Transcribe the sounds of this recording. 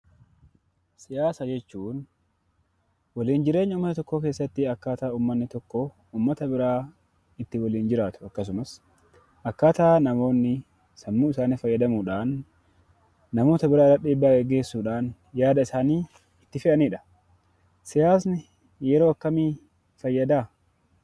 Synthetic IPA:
sɪjaːsɐd͡ʒɛt͡ʃːuːn | wɐliːnd͡ʒɪɾe̞ːɲːɐʊmːɐt̪ɐt̪ɔkːoːke̞ːsːɐt̪ːɪɐkːaːt̪aːuːmːɐnːɪt̪ɔkːo | uːmːɐt̪ɐbɪɾaː | ɪt̪ːɪwɐliːnd͡ʒɪɾaːt̪ʊ̥ɐkːɐs̬ʊmɐs | ʔɐkːaːt̪aːnɐmo̞ːnːɪ | sɐmːuːɪsaːniːfɐjːɐd̪ɐmuːᶑaːn | ɐmo̞ːt̪ɐbɪɾaːɾɐᶑiːbːaːɡeɡe̞ːsːuːᶑaːn | jaːd̪ɐɪsaːniː | ɪt̪ːɪfɪʔɐniːᶑɐ̥ | sɪjaːsnɪ | jɛɾo̞ːɐkːɐmiː | fɐjːɐd̪aː

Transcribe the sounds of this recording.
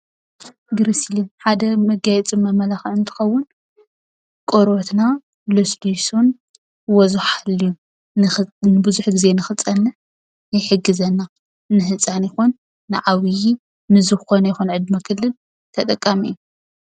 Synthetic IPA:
ɡɨɾislinħad̪ɐmɐɡajɛt͡sʼimːamɐlaxʕɨnt̪ʰɨ̥xɐwːʊn | kʼoɾot̪na | losd̪uson | wɔzuħalːiju | nɨbɨzuħɡize̞nɨxɨt͡sʼɐnːɐ | ɪħɨɡːɨzɐnːa | nɨɦɨt͡sʼanɪxunː | ɨʕawiji | mɨzɨxxonɐjɪxunʕɨd̪makʰɨlːɨl | t̪ʰɐt̪ʼɐkʼːamḭjːu

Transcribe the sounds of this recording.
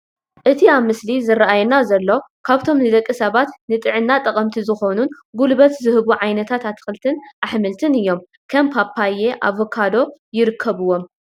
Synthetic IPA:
ʔɨt̪ʰiaβmɨslizɨɾaʔajnazɐlːo̞kʰaβt̪ʰo̞mnɨd̪ɐkʼːisɐβat̪nɨt̪ʼɨʕɨnːat̪ʼɐkʼɐmt̪ʰizɨxo̞nun | ɡulbɐt̪zɨhɨβuʕajnɐt̪ʰat̪at̪ʰːɨ̥xɨlt̪ʰɨnʔaħmɨlt̪ʰɨnɨjːo̞m | kʰɐmpʰapʰajeʔa̰βokʰːad̪o̞jɪɾɨkʰːɐβɨwo̞m

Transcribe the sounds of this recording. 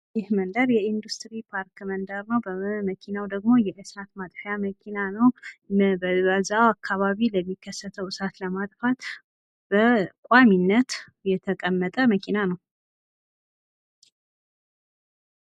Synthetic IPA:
jɪhmənd̪əɾjɛind̪ust̪ɾipʰaɾkmənd̪əɾnəwbəməkʰinawd̪əɡmo̞jɛʔɨsat̪mat̪ʼħjaməkʰinanəwbəzawakʰːaβaβiləmːikʰːəsːət̪ʰəwɨsat̪ləmat̪ʼfat̪ | b̥əkʷʼaminːət̪ | jɛt̪ʰəkʼəmːət̪ʼəməkʰinanəw

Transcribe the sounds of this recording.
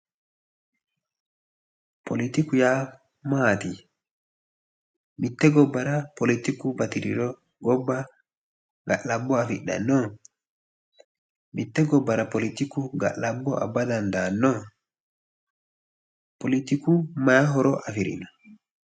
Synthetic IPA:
politikuja | mati | mitːɛɡɔbːaɾapolitikubatiɾiɾɔ | ɡɔbːa | ŋɡa̰labːɔafiɗa̰nːɔ | mitːɛɡɔbːaɾapolitikuɡa̰labːɔʔa̰badandanɔ | politikumajaɦɔɾɔʔafiɾḭnɔ

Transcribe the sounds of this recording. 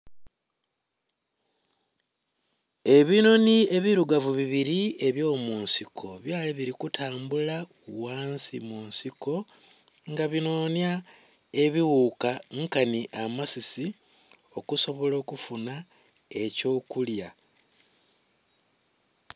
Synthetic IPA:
e̞βino̞nie̞βiɾuɡavuβiβiɾie̞βjo̞ːmuːnsikʰo̞βjaːliβiɾikutʰaːmbula | uwaːnsimuːnsiko̞ | ŋɡaβino̞ːnja | e̞βiwukaŋkaniʔamasisi | o̞kuso̞βo̞lo̞ːkufuna | e̞co̞ːkulja

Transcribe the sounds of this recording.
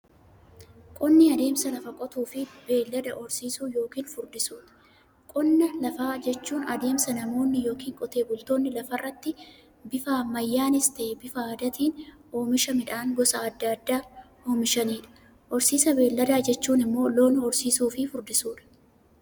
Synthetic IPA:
kʼɔnːɪɐd̪e̞ːmsɐlɐfɐkʼɔt̪uːfɪbe̞ːlːɐd̪ɐʔɔɾsiːsuːjo̞ːkiːnfʊɾd̪ɪsuːᶑɐ̥ | kʼɔnːɐlɐfaːd͡ʒɛt͡ʃːuːnɐd̪e̞ːmsɐnɐmo̞ːnːɪjo̞ːkiːŋkʼɔt̪e̞ːbʊlt̪o̞ːnːɪlɐfɐrːɐt̪ːɪ | bɪfaːmɐjːaːnɪst̪ɐʔebɪfaɐd̪ɐt̪iːn | o̞ːmɪʃɐmɪᶑaːŋɡɔsɐɐd̪ːɐɐd̪ːaːhoːmɪʃɐniːᶑɐ̥ | ʔɔɾsiːsɐbe̞ːlːɐd̪aːd͡ʒɛt͡ʃːuːnɪmːo̞ːlo̞ːnhɔɾsiːsuːfɪfʊɾd̪ɪsuːᶑɐ̥

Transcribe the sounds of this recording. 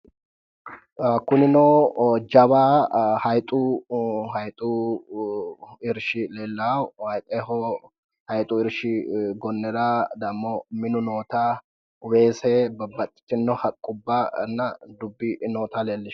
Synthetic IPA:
kʊnɪnoːd͡ʒɐwaːhɐjt̪ʼʊhɐjt̪ʼʊ | ɪɾʃɪleːlːɐwhɐjt̪ʼehɔ | hɐjt̪ʼʊɪɾʃɪɡɔnːɛɾad̪ɐmːɔmɪnʊnoːt̪a | weːsɛbɐbɐt̪ʼːɪ̥t̪ːɪnːɔhɐkʼːʊbːanːɐd̪ʊbːɪnoːt̪aleːlːɪʃ

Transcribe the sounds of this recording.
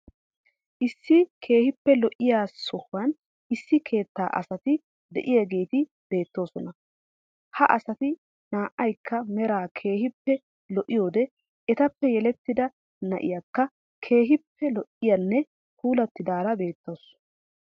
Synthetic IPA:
ʔɪsːɪkʰe̞ːhɪpːɛlɔʔɪjaːssɔhʊwɐn | ɪsːɪkʰe̞ːt̪ːa̰ːʔɐsɐt̪ɪ | d̪ɛ̰ʔɪjaɡe̞ːt̪ɪ | b̥e̞ːt̪ːo̞ːsɔnɐ | hɐʔɐsɐt̪ɪ | naːʔɐjkʰːɐmɛɾaːkʰe̞ːhɪpːɛ | lɔʔɪjo̞ːd̪ɛ | ɛt̪ɐpːɛjɛlɛt̪ːɪd̪ɐ | nɐʔɪ̰jakːɐ | kʰe̞ːɦɪpːɛlɔʔɪjɐnːɛ | kuːlɐt̪ːɪd̪aːɾɐbe̞ːt̪ːo̞ːs

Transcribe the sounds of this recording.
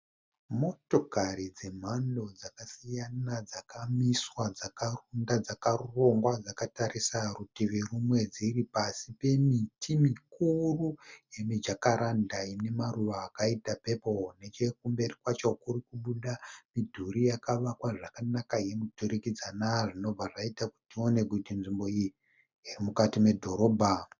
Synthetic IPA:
mo̞to̞kaɾid͡ze̞m̤ando̞d͡zakasijanad͡zakamiswad͡zakarundad͡zakaruro̞ŋɡwad͡zakatarisarutiʋirumwe̞d͡ziripasipe̞mitʰimikuruje̞mid͡ʒakaɾandaine̞maruʋaːkaitape̞po̞ne̞t͡ʃe̞k̚umbe̞rikwat͡ʃo̞kurikuɓuɗamidʱuɾijakaʋakwaʐakanakaje̞mudʱuɾikid͡zanaʐino̞bb͡vaʐaitaku̥tio̞ne̞ɡudʱinʐimbo̞i | irimukatime̞dʱo̞ɾo̞bʱa

